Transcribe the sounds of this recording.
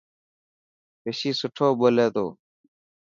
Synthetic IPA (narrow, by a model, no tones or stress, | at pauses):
peːsiːsʊʈʰoːɓoːleːt̪o̰ː